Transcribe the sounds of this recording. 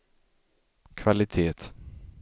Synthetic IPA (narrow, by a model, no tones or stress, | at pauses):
kʰvalɪt̪ʰeːt̪